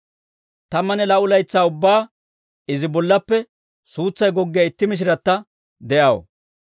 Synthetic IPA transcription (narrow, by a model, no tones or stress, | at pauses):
t̪ɐmːɐnɛlɐʊlɐjt͡sːaːʊbːaː | ɪzɪbɔlːɐpːɛ | suːt͡sːɐjɡɔɡːɪjɐɪt̪ːɪmɪʃ̬ɪɾɐt̪ːɐ | d̪ɛjawo̰